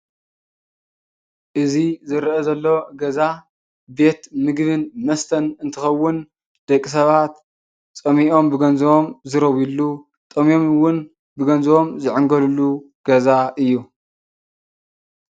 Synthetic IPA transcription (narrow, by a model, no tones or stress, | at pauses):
ʔɨzizɨɾʔɐzɐlːoɡɐza | be̞t̪mɨɡβɨnmɐst̪ʰɐnɨnt̪ʰɨxɐwːʊn | d̪̥ɐkʼːis̬ɐβat̪ | t͡sʼɐmiʔo̞mbɨɡɐnzɐwomzɨɾɐwilːu | t̪ʼɐmijo̞mwʊn | bɨɡɐnzɐwo̞mzɨʕɨŋɡɐlulːu | ɡ̥ɐzaʔɨjːu